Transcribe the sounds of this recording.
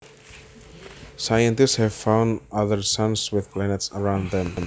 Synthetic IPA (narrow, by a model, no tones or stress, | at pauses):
sajə̃ntɪstshɛv̥fãʊ̃ndʌðəɹsʌ̃nswɪðpʰlænɛtsəɹãʊ̃nðɛ̃m